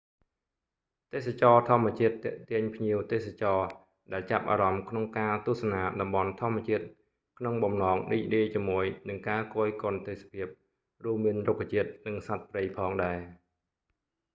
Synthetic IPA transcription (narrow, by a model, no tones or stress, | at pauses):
t̪eːsat͡ɕɑːt̪ʰŏəmːɛ̆ət͡ɕiət̪ːɛ̆əʔt̪iəɲpʰɲiəwt̪eːsat͡ɕɑː | ɗaɛlt͡ɕap̚ʔa̰ːɾɑmkʰnoŋkaːt̪ŭəhsɑnaːɗɑmɓɑnt̪ʰŏəmːɛ̆ət͡ɕiət̪̚ | kʰnoŋɓɑmnɑːŋɗiːc̚ɗiːt͡ɕiəmːuəjnɨŋkaːkoːjkŏənt̪eːsḁpʰiəp̚ | ruəmːiənrokʰːat͡ɕiət̪̚nɨŋsat̪̚prəjpʰɑːŋɗaɛ